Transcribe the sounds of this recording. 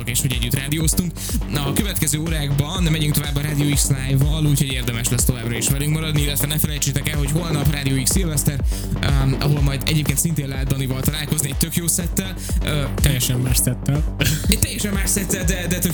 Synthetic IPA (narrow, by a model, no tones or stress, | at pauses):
okeːʃho̞ɟɛɟːyt̪raːd̪ijoːst̪uŋk | nɒkøvɛt̪kɛzøːoːɾaːɡbɒnːɛmɛɟyŋkt̪o̞vaːbːɒɾaːd̪ioːikslaːjvɒluːcho̞ɟeːrd̪ɛmɛʃlɛst̪o̞vaːbrɒiʃvɛlyŋkmɒɾɒd̪niilːɛt̪vɛnɛfɛlɛjt͡ʃeːt̪ɛkɛlɦo̞cho̞lnɒpraːd̪ijoːiksilvɛst̪ɛr | ɒ̰ɦo̞lmɒjd̪ɛ̰ɟeːp̚keːnsint̪eːnlɛɦɛt̪d̪d̪ɒnivɒlt̪ɒlaːlko̞zniɛc̚t̪økjoːsɛt̪ːɛl | t̪ɛjɛʃɛmːaːʃsɛt̪ːɛlɛt̪ɛjɛʃɛmːaːʃsɛt̪ːɛld̪ɛd̪ɛt̪ø